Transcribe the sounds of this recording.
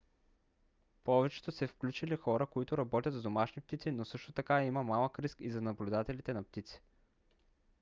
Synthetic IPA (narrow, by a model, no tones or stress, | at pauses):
pɔvɛt͡ʃɛ̥t̪osɛfklʲut͡ʃilixɔɾəkoit̪ʊɾɐbɔt̪ʲɐt̪zd̪omaʃnipt̪it̪sinosɤʃt̪ot̪ɐkaimɐmalˠəkɾiskizɐnɐblʲud̪at̪ɛlit̪ɛnɐp̚t̪it̪si̥